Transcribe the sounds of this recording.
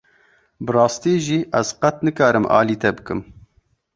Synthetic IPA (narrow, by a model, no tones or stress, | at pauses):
bɨrɑːst̪iːʒiːʔɛz̥qɐt̪nɨkɑːɾɨmʔɑ̰ːliːt̪ɛbɨkɨm